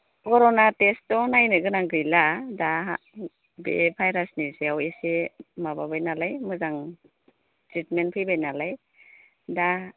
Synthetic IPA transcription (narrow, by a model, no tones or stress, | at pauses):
kɔɾɔnatestɔnajnɯɡɯnaŋɡɯjladaa | bḛbʰʱajɾasniseawesemababajnalajmɯzaŋ | tɾitmenpʰɯjbajnalaj | da